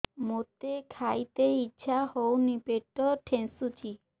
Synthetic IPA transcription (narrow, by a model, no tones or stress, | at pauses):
mot̪ekʰajt̪eitːɕʰahownipeʈːɔʈʰensut͡ɕi